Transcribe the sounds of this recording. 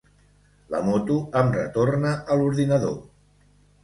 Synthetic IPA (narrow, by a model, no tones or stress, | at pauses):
lə̰mɔt̪uəmrə̰t̪ornəʔəluɾðinəðo